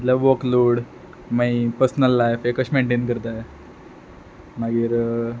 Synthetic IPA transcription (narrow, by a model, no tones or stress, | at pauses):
t̪laʋokloːɽ | maipəɾsnəlːajfekəɕmeɳʈenkəɾt̪a | maɡiːɾ